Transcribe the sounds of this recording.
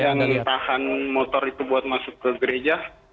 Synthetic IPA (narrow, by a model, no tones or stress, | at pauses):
jaŋt̪ahanmot̪ɔrit̪ubuat̪̚masʊkːəɡəɾed͡ʒa